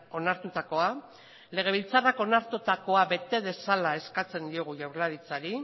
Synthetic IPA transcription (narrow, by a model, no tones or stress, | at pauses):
o̞naɾt̪ut̪ako̞a | le̞ɣ̞e̞β̞ilt͡sarako̞naɾt̪ut̪ako̞abe̞t̪e̞ð̞e̞salae̞skat͡se̞nd̪io̞ɣ̞uʝawɾlaɾit͡saɾi